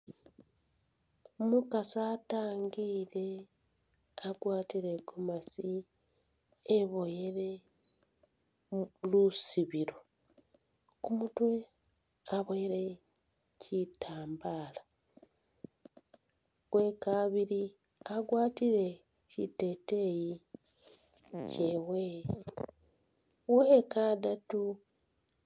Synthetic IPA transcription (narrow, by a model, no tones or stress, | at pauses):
mukasaːtaːŋɡiːɾe̞ | aɡwaːtiɾe̞kumasi | βo̞jeɾe̞ | lusiβiɾo̞ | kumutwe̞ | aβoeɾecʰitʰaːmbaːla | we̞kaβiɾiaɡwaːtiɾe̞cite̞ːte̞ji | cewe | wekadatu